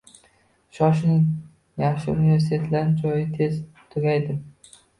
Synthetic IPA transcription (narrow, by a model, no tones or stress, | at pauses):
ʃɒʃ̬nɪŋ | jaχʃɪʊnive̞ɾs̬it̪ʰe̞t̪ʰlaɾɪnt͡ʃʰɒjɪt̪ʰe̞z | t̪ʰʊɡʲajd̪ɪm